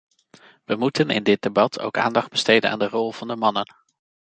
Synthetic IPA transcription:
ʋəmutənɪ̰ndɪd̚debɑtʰo̰wka̰ːndɑχd̚b̥əstejdəna̰ːndərɔlˠv̥ɑndəmɑnən

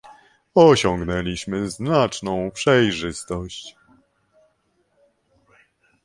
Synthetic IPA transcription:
ɔɕɔŋɡnɛlʲiɕmɘznat͡ʂnɔ̃w̃pʂɛjʐɘst̪ɔɕt͡ɕ

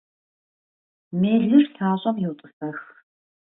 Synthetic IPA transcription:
meːɮɨrɬʰaːɕʼɐmjɪwtʼɨxɐx

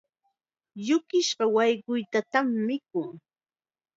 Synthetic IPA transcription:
jʊkɪʃɢɑwɑjɢʊjt̪at̪amːɪkʊŋ

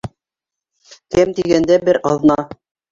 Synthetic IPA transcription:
kɘmt̪iɡænd̪æbɘɾʔɑðnɑ

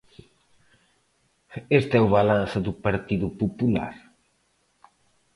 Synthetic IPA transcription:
est̪ɛuβalãnsɐðupaɾt̪iðupopula̰ɾ

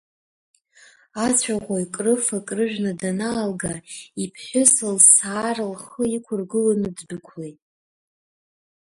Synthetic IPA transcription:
at͡ɕʷʰaʁʷaikʼrɨfakʼrɨʒᶣnadanaːlɡaipʰħʷᶣʊsɨlsaːrɨlχəikʷʰʊrɡɨlanɨd͡zbɨkʷʰlejtʼ

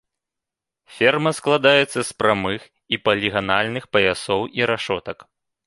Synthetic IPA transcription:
fʲɛrmɐsklˠad̪ajɛt̪sːɐspɾamɨx | ipɐlʲiɣanalʲnɨxpɐjasɔwiɾaʂɔt̪ɐk

